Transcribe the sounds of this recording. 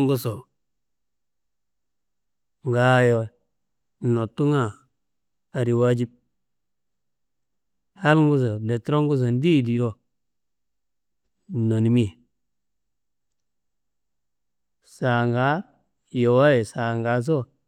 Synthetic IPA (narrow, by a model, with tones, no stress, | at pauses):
ŋɡu˦so˨ | ŋɡa˨˦jo˨ | no˨tu˦ŋa˦˨ | a˨ɾi˨wa˦d͡ʒi˦b̚ | ha˦lŋɡu˦s̬o˨de˨tɾo˦ŋɡu˦s̬o˨n˦di˦˨di˨ɾo˦˨ | no˨ni˨mi˦˨ | sa˨ŋɡa˨˦ | jo˨wa˦je˨sa˨ŋɡa˨˦s̬o˦